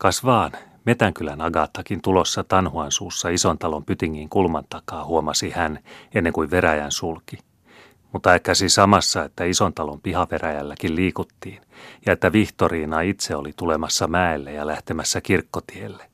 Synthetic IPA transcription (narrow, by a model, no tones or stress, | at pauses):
kɑsʋɑːn | me̞t̪æŋkylænɑɡɑt̪ːɑkint̪ulo̞sːɑt̪ɑnhuɑnsuːsːɑisont̪ɑlo̞mpyt̪iŋːiŋkulmɑnt̪ɑkɑːhuomɑsihænenːeŋkuiʋʋeɾæjænsulki | mut̪ːɑekːæsisɑmɑsːɑe̞t̪ːæiso̞nt̪ɑlompihɑʋeɾæjælːækilliːkut̪ːiːnjɑe̞t̪ːæʋiht̪oɾiːnɑit̪seolit̪ulemɑsːɑmæelːejɑlæht̪emæsːækirkːot̪ielːe